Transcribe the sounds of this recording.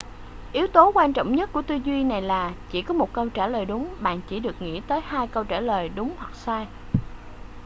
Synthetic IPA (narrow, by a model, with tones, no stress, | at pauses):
ʔi˨˦wt̪o˨˦kwaː˧nt͡ɕɔ̰˧˨wŋ͡mɲə˦˥t̚ku˧˩ət̪ɨ˧zwi˧na˨˩jlaː˨˩t͡ɕi˧˩kɔ˨˦mo˨˩t̚kə˧wt͡ɕaː˧˩ləː˨˩jɗʊ˨˦ŋ͡mɓa̰ː˧˨nt͡ɕi˧˩ɗɨ˨˩ək̚ŋḭ˧˥t̪əː˨˦jhaː˧jkə˧wt͡ɕaː˧˩ləː˨˩jɗʊ˨˦ŋ͡mhwa˨˩k̚saː˧j